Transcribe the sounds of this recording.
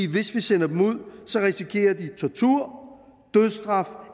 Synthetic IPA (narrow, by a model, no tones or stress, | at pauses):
iːʋe̝sʋisenɐd̥emuð̞̰ˠsɒ̽ʁisikʰe̝̰ːɐd̥it͡sʰɒt͡sʰuɐ̰ | d̥øðˠsd̥ʁɑ̈f